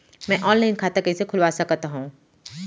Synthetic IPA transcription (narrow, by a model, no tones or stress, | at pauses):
mɛ̃ʔɔːnlaːɪnkʰaːt̪akɐisekʰʊlʋaːsɐkt̪aɦũː